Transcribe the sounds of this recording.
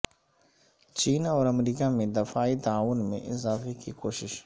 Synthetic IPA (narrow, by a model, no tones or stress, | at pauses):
t͡ʃiːnɔːɾɐmɾiːkamẽd̪ɪfaːit̪aaːʋʊnmḛ̃ʔɪ̰zaːfekikoːʃɪʃ